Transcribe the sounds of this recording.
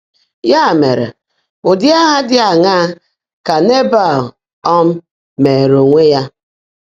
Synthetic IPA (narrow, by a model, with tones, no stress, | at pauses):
ja˦˨me˨ɾḛ˨ | ʊ˨dɪ˦a˦ɦa˦dɪ˦a˨ŋa˦ | ka˨ne˦ba˦˨l | ɔ˦m̩˦ | me˨ɾo˨ŋʷe˦ja˦